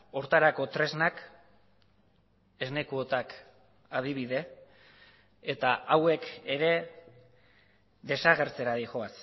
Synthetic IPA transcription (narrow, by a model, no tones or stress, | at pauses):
o̞ɾt̪aɾako̞t̪ɾe̞znak | e̞zne̞kuot̪ak | að̞iβiðe̞ | t̪aʔawe̞keɾe̞ | d̪e̞saɣe̞ɾt͡se̞ɾaɾiʝo̞as